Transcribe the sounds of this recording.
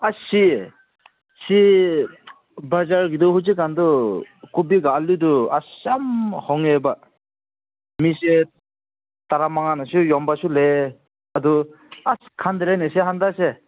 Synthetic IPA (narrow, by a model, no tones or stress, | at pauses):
aɕi | ɕi | bad͡ʒaɾɡid̪uhut͡ʃikand̪ukubiɡaalud̪uaɕamhɔŋeba | miɕe | t̪aɾamaŋanaɕujɔmbaʃule | ad̪u | askʰand̪iɾeneɕeɦand̪aɕɛ